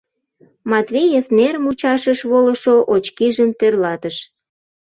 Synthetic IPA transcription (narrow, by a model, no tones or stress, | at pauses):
mɑt̪vʲejefneɾmut͡ɕɑʃəʃβoləʃoʔot͡ɕkiʒəmt̪ørlɑt̪əʃ